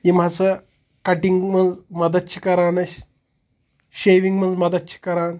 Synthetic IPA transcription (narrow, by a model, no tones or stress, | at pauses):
jim̤at͡sə | kaʈiŋɡmənd͡zməd̪ət̪̚t͡ɕʰi̥kɐɾanəɕ | ɕejʋiŋɡmənd͡zmɐd̪ət̪t͡ɕʰi̥kɐɾan